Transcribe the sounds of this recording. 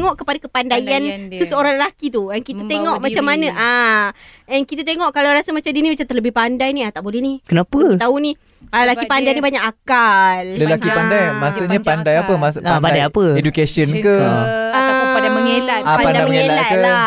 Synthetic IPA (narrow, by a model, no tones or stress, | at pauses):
ŋɔʔkəpadakəpandajansəsəoɾaŋləlakit̪uankit̪at̪eŋɔʔmat͡ʃamːanə̃ʔa | ɛnkit̪at̪̬eŋɔʔkalawɾasamat͡ʃamdinimat͡ʃat̪ərləbɪhpandajniat̪aʔbolɛhnikənapət̪auni | əlakipandajnibaɲakakalləlakipandajmasuʔɲapandajapəmasapadajapəedukasiənkəaaapadaməŋelaapandaajməŋeelalkəla